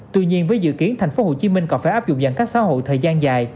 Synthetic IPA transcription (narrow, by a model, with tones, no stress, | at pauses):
t̪wɨ̰˧˨ɲi˧ənvəː˨˦jzɨ̰˧˨ki˨˦ənt̪ʰjŋ̟fo˨˦ho˧˩t͡ɕi˨˦mï˧ŋ̟kɔ˨˦faː˧˩jʔaː˦˥p̚zʊ̰˧˨ŋ͡mzə̰˧˩ŋkaː˦˥k̚sa̰ː˧˥ɦo̰˧˨jt̪ʰəː˨˩jzaː˧nzaː˨˩j